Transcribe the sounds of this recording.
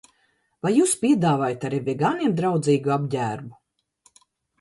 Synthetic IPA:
vajjuːspʲiɛd̪aːvaːjt̪aɾivʲɛɡaːniɛmd̪ɾawd̪ziːɡuab̚ɟʲæːɾbu

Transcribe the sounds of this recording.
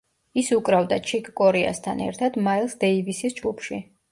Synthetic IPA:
isukʼɾavd̪at͡ʃʰikʰʼkʼɔɾɛa̰st̪ʰanɛ̰ɾt̪ʰad̪maɛlˠsd̪ɛivisisd͡ʒɡupʰʃḭ

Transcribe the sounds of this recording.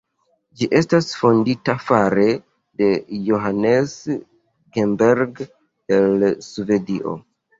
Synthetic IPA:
d͡ʒiʔe̞stasfo̞nditafaɾe̞ | de̞joɦanes | ɡembeɾɡ | delsuve̞diʔo̰

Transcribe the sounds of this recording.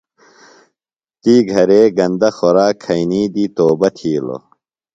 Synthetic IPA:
t̪iːɡʱɐɾeːɡɐnd̪ɐxoɾaːkʰːɐiniːd̪iːt̪oːbɐt̪ʰiːlo̰

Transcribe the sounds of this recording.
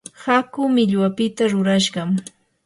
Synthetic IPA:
hakʊmɪʎwapɪt̪aɾʊɾaʃɢɑm

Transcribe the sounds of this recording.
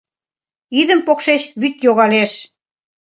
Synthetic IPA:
iðə̆mpokʃeɕβyt̪joɣɑleʃ

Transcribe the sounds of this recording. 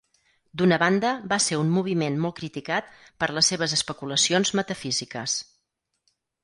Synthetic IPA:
d̪unəβand̪əbaseɾummuβ̞imenmɔlˠkɾit̪ikat̪̚ | pəɾləsːeβ̞əzəspəkuləsionzmət̪əfizikəs

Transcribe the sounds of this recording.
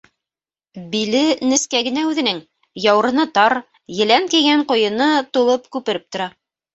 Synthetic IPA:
bilɘnɘ̆skæɡɘ̆næʉðɘ̆nɘŋ | jɑwɤ̆ɾɤ̆nɤt̪ɑɾ | jɘ̆læŋkiɡæɴqŏjɤ̆nɤt̪ulˠɤpkʉpɘ̆ɾɘp̚t̪ŏɾɑ

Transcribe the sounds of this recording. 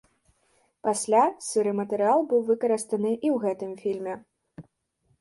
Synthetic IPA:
pasʲlʲasɨɾɨmɐt̪ɛɾɨalˠbɨwvɨkɐɾɨst̪ɐnɨʔiwɣɛt̪ɨmfʲilʲmʲɛ

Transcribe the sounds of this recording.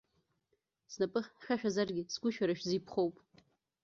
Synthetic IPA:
snapʼɨχʲχʲaʃᶣazarɡʲɪsɡʷʊʃaɾaʃᶣzipʰχowpʼ

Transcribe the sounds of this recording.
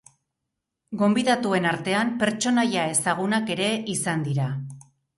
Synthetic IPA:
ɡo̞mbiðat̪ue̞naɾt̪e̞ampe̞ɾt͡ʃo̞najae̞saɣ̞unake̞ɾe̞ʔisand̪iɾa

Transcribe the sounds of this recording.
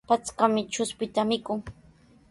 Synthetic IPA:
pat͡skamɪt͡ʃʊspɪt̪amɪkʊŋ

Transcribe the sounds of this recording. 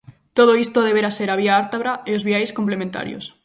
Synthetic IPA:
t̪oð̞oist̪oðeβeɾaseɾaβ̞iaaɾt̪aβɾaeozβiajskomp̬lemẽnt̪a̰ɾjo̰s

